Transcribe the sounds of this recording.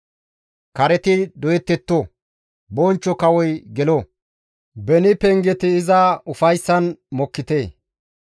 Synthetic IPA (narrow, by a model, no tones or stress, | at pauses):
kɐɾɛt̪ɪd̪ɔjɛt̪ːɛt̪ːo | bɔnt͡ʃːɔkɐwɔjɡɛlo | bɛnɪpɛŋɡɛt̪ɪːzɐʊfɐjsːɐnmɔkːɪt̪eː